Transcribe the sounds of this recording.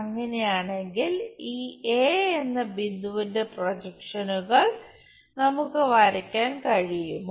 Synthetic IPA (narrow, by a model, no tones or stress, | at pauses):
ɐŋːɐne̞jaːɳe̞ŋɡiliːeːenːɐbind̪uʋinde̞prod͡ʑɐkʂɐnuɣɐɭ | nɐmukːɨʋɐɾɐkʲːaːnkɐɻijumː